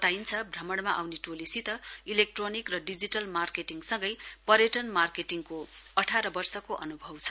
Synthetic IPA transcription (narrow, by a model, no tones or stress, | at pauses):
t̪ajnt͡sʰʌbʱrʌmʌɽmaʔawneʈolisit̪ʌilek̚ʈronikrʌɖid͡ziʈʌlmarkeʈiŋsʌŋɡʌjpʌɾjʌʈʌnmarkeʈiŋkoʌʈʰaɾʌbʌrsʌkoʔʌnubʱʌwt͡sʰʌ̥